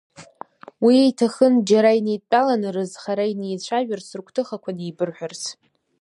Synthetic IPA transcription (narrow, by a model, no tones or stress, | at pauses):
wiejtʰaχənd͡ʒaɾainejtʼt͡pʼalanɨrɨzχaɾainejt͡ɕʷʰaʒᶣarsrkʷʰtʰɨχakʷʰanijbɨrħʷᶣart͡sʰ